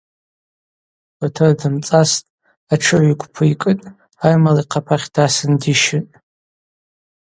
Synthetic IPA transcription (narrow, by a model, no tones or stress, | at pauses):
atʰɨrdɨmt͡sʼastʼ | aʈ͡ʂʰɨʕʷikʷʰʼpʰɨikʼɨtʼ | ajmalaiqʰapʰaχʲd̥asɨndiʃɪnʼ